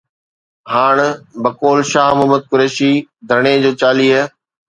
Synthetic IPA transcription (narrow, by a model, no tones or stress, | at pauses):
haːɽ̃bɐkoːlʃaːɦmɐməd̪̚kʊɾɛːʃid̪ʱɐɽ̃ed͡ʑoːt͡ɕaːliːɦɛː